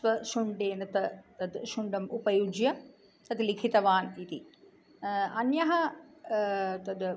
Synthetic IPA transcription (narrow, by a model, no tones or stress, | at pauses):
ʋɐʃuɳɖeːnɐt̪ɐt̪ɐd̪ʃuɳɖɐmupɐjud͡ʒjɐ | t̪ɐt̪ilikʰit̪ɐʋaːnit̪i | ɐnjɐɦɐ | t̪ɐd̪